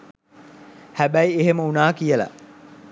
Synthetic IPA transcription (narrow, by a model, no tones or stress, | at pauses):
hæbæjeɦeməunaːkijəlɐ̰